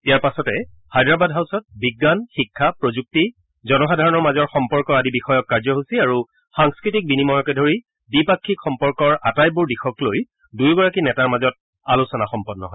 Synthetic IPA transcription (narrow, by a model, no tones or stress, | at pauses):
ijaɹpasɔtɛ | hajdɹabadɦawsɔt̚biɡːanxikʰːapɹozuk̚ti | zɔnɔxadʱaɹɔnɔɹmazɔɹxɔmpɔɹkɔɹadibixɔjɔkːaɹzɔɦosiaɹu | xaŋskɹitik̚binimɔɦɔkɛdʱoɹi | bipakʰːikʰxɔmpɔɹkɔɹatajbuɹdixɔkloj | dujɡɔɹakinɛtaɹmazɔt̚ | alusɔnaxɔmpɔdːɔ̰ɦɔj